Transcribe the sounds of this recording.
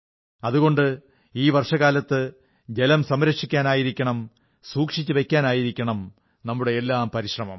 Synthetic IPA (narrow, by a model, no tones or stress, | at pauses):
ɐðuɣo̞ɳɖɨ | iːʋɐrʂɐɣaːlɐt̪ːɨ | d͡ʑe̞lɐmsɐmɾɐkʂikʲːaːnaːjiɾikʲːɐɳɐm | suːkʂit͡ɕːɨʋe̞kʲːaːnaːjiɾikʲːɐɳɐm | nɐmːuɽe̞elːaːmpɐɾiɕrɐmɐ̰m